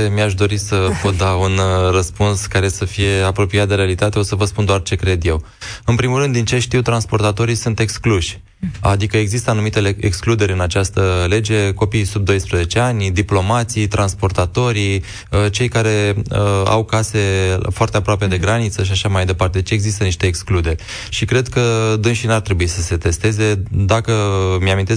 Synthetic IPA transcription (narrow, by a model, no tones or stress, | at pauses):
miaʃ̬d̪o̞ɾisəpo̞t̪̚d̪aunrəspunskaɾe̞səfije̞apɾo̞piat̪̚d̪eɾealit̪at̪e̞o̞səvəspund̪oart͡ʃe̞kɾe̞d̪je̞w | ɨnpɾimulɾɨnd̪ːint͡ʃe̞ʃt̪iwt̪ɾanspo̞rt̪at̪o̞ɾisunt̪e̞kskluʃʲ | a̰d̪ikəe̞ɡzist̪əanumit̪eeksklud̪e̞ɾʲɨnat͡ʃast̪əle̞d͡ʒe̞ko̞pijsub̚d̪o̞jspɾəze̞t͡ʃe̞anʲd̪iplo̞mat̪sijt̪ɾanspo̞rt̪at̪o̞ɾi | ət͡ʃe̞jkaɾe̞əa̰wkase̞foart̪eapɾoape̞d̪e̞ɡɾanit̪səʃ̬iaʃamajd̪e̞part̪e̞d̪et͡ʃe̞ɡzist̪əniʃt̪e̞ːksklud̪e̞rʲ | ʃikɾe̞d̪kəd̪ɨnʃinart̪ɾe̞buisəse̞t̪e̞st̪e̞ze̞d̪akəmjamint̪e